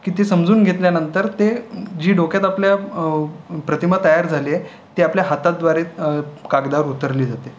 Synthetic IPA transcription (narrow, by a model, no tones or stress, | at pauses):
kit̪esəmd͡zuːnɡʱet̪ljanənt̪əɾt̪ed͡ʑiːɖokjat̪aplja | pɾət̪imət̪ːəjaɾd͡zʱalie | t̪eapljaɦat̪ad̪ʋaɾekaɡd̪aɾut̪əɾliːd͡zat̪e